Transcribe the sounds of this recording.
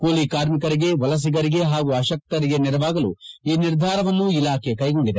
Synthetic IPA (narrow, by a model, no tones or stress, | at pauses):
koːlikaːɾmikɐɾiɡe̞ʋɐlɐs̬iɡɐɾiɡe̞ɦaːɡuɐʃɐk̚t̪ɐɾiɡe̞niɾɐʋaːɡɐlṵiːniɾd̪ʱaːɾɐʋɐnːuilaːkʰekɐjɡo̞ɳɖid̪e